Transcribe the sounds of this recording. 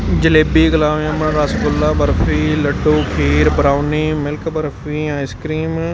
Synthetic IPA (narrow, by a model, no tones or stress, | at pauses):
d͡ʒəleːbiːɡəlaːʋãmə̃ɾasɡʊlːaːbəɾfʰiːləɖoːkʰeːɾbɾaːʊniːmɪlkbəɾfiːãːɪskɾiːm